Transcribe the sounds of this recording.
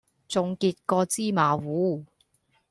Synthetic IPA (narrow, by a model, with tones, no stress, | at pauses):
t͡sʊ˨˧ŋkiː˧t̚kɔː˧t͡siː˥maː˨˧wuː˨˥